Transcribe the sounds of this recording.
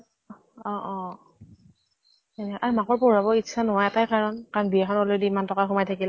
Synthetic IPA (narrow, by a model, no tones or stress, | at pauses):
ɔ̃ʔɔ̃ | ɛnɛʔaɹumakɔɹpɔɹabɔitt͡ʃʰːanɔɦajɛtajkaɹɔnkanbiaxɔnɔlediimantɔkaxɔmajtʰakil